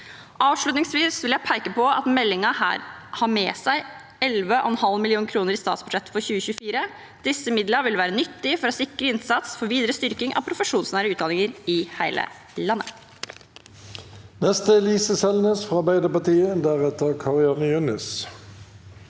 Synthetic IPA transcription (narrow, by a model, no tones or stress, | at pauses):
ʔɑːʋʂɭʉt̪nɪŋsʋiːsʋɪljæɪpʰæɪkəpɔʔɑ̰t̪mɛlːɪŋɑhæ̰ːɾhɑɾmeːsæɪ | ɛlʋəʔɔ̰ɛnhɑlmɪlɪuːnkʰɾuːnəɾiːst̪ɑːt̪sbʉd̪ʂɛt̪ːfɔɾçʉːəçʉːəfiːɾə | d̪̥ɪsːəmɪd̪ləɾʋɪlʋæːɾənʏt̪ːɪfɔɾɔsɪkɾəɪnsɑt̪sfɔɾʋiːd̪əɾəst̪ʏɾkɪŋʔɑ̰ʋpʰɾʊfəʂuːnsnæːɾəʉːt̪d̪ɑnɪŋəɾɪhæɪlʔə̰ | lɑnːə̰ | nɛst̪əliːsəsɛlnəsfɑɑbæɪd̪əpɑt̪iːəd̪æːʁɛt̪əʁkʰɑʁɪɑnəjʉnɪs